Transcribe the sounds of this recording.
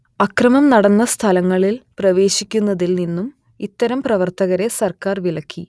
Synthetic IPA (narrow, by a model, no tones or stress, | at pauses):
ɐkrɐmɐmnɐɽɐnːɐst̪ʰɐlɐŋːɐɭilprɐʋe̞ːɕikʲːunːɐðilninːum | it̪ːɐɾɐmprɐʋɐrt̪ɐɣɐɾe̞sɐrkaːrʋilɐkʲːi